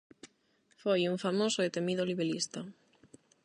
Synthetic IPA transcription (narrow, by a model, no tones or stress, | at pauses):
fojuŋfamosoet̪emiðoliβelist̪a